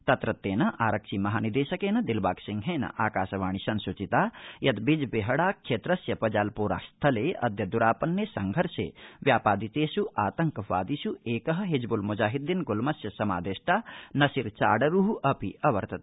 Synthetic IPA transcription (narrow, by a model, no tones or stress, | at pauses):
t̪ɐt̪ɾɐt̪ːeːnɐʔaːɾɐkʃimɐɦaːnid̪eːsɐkeːnɐd̪ilbaːksiŋɡɦenɐ̰ʔaːkaːsɐʋaːɳ̃isɐnsut͡ʃit̪ajɐt̪bid͡ʒbeɦɐɽaːkʰʃeːt̪ɾɐsjɐpɐd͡ʒaːlpuːɾa̰ːst̪ʰɐleɐ̰d̪jɐd̪uɾaːpɐnːjesɐŋɡʱɐɾsḛʋjaːpaːd̪it̪eːsuʔaːt̪ɐŋkɐʋaːd̪isueːkɐɦɐ̆ɦed͡ʒbulmud͡ʒaːɦid̪ːinɡulmɐsjɐsɐmaːd̪eːʃʈaːnɐsiɾt͡ʃa̰ːɽɐɾuɦuʔɐpiɐʋɐ̰ɾt̪ɐt̪